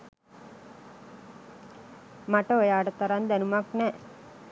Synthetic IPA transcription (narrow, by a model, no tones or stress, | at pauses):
maʈəojaːɖət̪ɐɾand̪ænumaknɛ